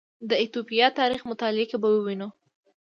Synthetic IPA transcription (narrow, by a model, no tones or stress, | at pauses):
d̪əɪt̪opijɑt̪ɑɾixmʊt̪ɑlɪekebawəwinu